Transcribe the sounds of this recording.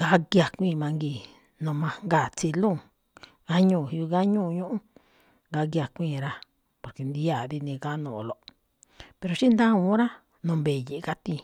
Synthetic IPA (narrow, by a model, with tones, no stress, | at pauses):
ɡa˧˦ɡja˨kʷĩː˦˧˨mã˧ŋɡi˧˨ | nũ˧mã˧ŋɡa˨t͡si˧lũ˦˨ | ɡa˦ɲũː˧˨hi˧i˧ɣa˦ɲũ˦˨˧ɲũ˦ʔũ˦ | ɡa˧˦ɣja˧˨kʷĩː˦˧˨ɾa˧ | po˨ɾke˨nd̪i˧˦a˨ði˧nĩ˧ɡa˦nũː˧˨˧lo˧ | pe˧ɾo˧ʃi˦nd̪ã˦ũ˧˦ɾa˦ | nũ˧˨mbe˨ji˧ʔka˦t̪ĩ˧